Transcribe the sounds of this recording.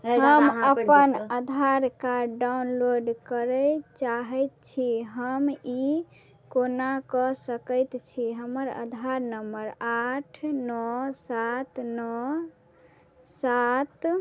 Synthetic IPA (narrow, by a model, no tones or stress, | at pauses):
ɦəmməpənəd̪ʱaɾkaɖaunloɖkəɾɛt͡ʃaɦɛjt̪̚t͡ʃʰiɦəmi | konakɔsəkəjt̪t͡ʃʰiɦəməɾə̰d̪ʱaɾnəmbəɾaʈʰnɔsat̪nɔ | sat̪